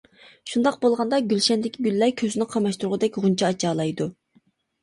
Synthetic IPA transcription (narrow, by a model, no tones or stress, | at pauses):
ʃund̪ɑq̚bolˠʁɑnd̪ɑɡʲylʃɛnd̪ɪkʲʰiɡʲylːɛɾkʲʰøzɪnɪqʰɑmɑʃt̪uɾʁʊd̪ɛkʲʁunt͡ʃʰɑɑt͡ʃʰɑːlˠɑjd̪u